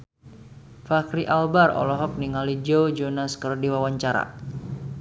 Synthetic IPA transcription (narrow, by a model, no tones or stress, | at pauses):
fakɾiʔalbarɔ̰lɔɦɔk̚niŋalid͡ʒowd͡ʒɔnaskərdiwawaɲt͡ʃaɾa̰